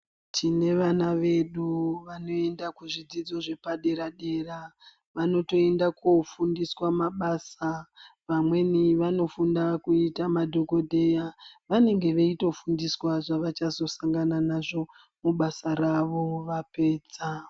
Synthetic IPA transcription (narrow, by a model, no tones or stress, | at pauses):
tʰine̞ʋanaʋe̞ɗuʋano̞e̞ndakuʐid͡zid͡zo̞ʐe̞paɗe̞ɾaɗe̞ːra | ʋano̞to̞e̞ndakofundiswamaɓaːsaʋamwe̞niʋano̞fundakuitamadʱo̞ko̞dʱe̞jaʋane̞ŋɡe̞ʋeito̞fundiswaʐaʋat͡ʃazo̞saŋɡananaʐo̞ | muɓasaɾaʋo̞ʋape̞ːd͡za